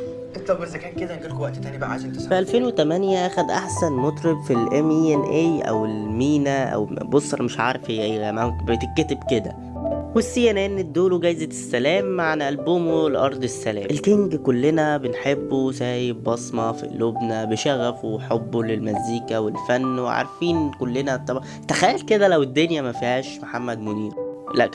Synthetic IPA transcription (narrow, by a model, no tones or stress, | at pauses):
ʔet̪ˤlˤɑbːezːækæːnked̪ænɡilkowæʔt̪t̪æːnibæʔʕaʃet̪eˤfʔælfeːnwet̪æmænjæʔæxæd̪ʔaħsænmot̪ˤɾebfilʔemienʔejʔæ̰welmiːnæʔæ̰wbosˤʔɑɾmeʃʕɑ̰ːɾˤfiʔeːlæmæbet̪ekːæt̪ebked̪æ̰ | wesːijænenːed̪ːoːloɡæjːzet̪esːælæːmːaʕanʔælboːmolʔɑɾˤd̪ˤesːælæːmelkeŋɡkolːenæbenħebːozæːjebbɑsˤmɑfḭlːobnæbeʃæɣːæfoeħobːolelmæziːkæwelfænːweʕa̰ɾˤfiːnkolːenæt̪ːɑb | t̪æxæjːælked̪ælæwed̪ːonjæmæfihæːʃmoħamːæd̪moniːɾlæ̰ʔ